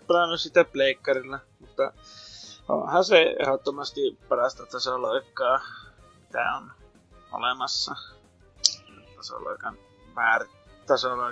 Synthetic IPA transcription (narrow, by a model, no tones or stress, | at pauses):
pɑlɑnːussit̪ːæpleikːɑrilːɑmut̪ːɑ | o̰nhɑseḛhot̪ːomɑst̪ipɑrɑst̪ɑt̪ɑsolɑikːˑɑː | mit̪æ̰on | ʔo̰lemɑsːɑ | t̪ɑso̰lɑ̰ˑikɑn | ʋæːr | t̪ɑsolɑi